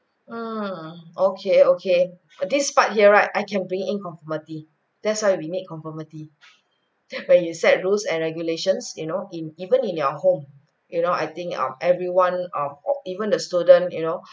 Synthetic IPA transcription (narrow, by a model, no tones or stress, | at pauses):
m̩ | okʰeokʰe | dispat̚hiəɹaɪtajkɛ̃nbɹĩŋĩnkɔ̃ɱfɔməti | d̥ɛt̚swajwinit̚kʰɔ̃ɱfɔməti | wɛ̃njusɛt̚ɹulsɛ̃nɹɛɡjuleʃə̃nsjunoʔĩnivə̃nĩnaʊəhõm | junoa̰jt̪ĩŋkʌ̰̃mɛvɹiwãnʌ̃mɔ̰ivə̃ndəstudə̃njuno